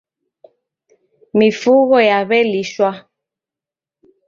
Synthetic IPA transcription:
mifuɣɔjaβɛliʃwa

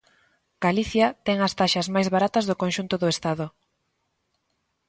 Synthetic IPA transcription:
ɡ̥aliθjɐt̪ɛŋɐst̪aʃɐzmajzβaɾat̪ɐzðʊkonʃunt̪ʊðʊest̪aðʊ

